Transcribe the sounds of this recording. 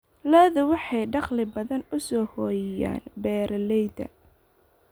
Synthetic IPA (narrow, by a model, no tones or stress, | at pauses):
lɔːðʊwɑħɑjɖɑχlɪbɐðɐnʊsɔːhɔːjɪja̰ːnbɛːɾɐlɛjdɐ̰